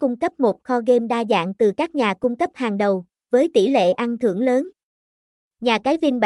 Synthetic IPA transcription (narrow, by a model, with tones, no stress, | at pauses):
kʊ˧ŋ͡mkə˦˥p̚mo˨˩t̚xɔ˧ɣe˧mɗaː˧za̰ː˧˨ŋt̪ɨ˨˩kaː˦˥k̚ɲaː˨˩kʊ˧ŋ͡mkə˦˥p̚haː˨˩ŋɗə˨˩w | vəː˨˦jt̪i˧˩lḛ˧˨ʔa˧ŋt̪ʰɨ̰˧˩əŋləː˨˦n | ɲaː˨˩kaː˨˦jvi˧nɓa˨